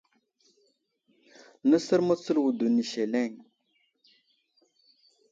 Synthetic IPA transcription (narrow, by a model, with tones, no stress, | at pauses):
nə˦sə˦ɾmo˦t͡sə˦lwu˨du˨ni˨ʃe˨le˦˨ŋ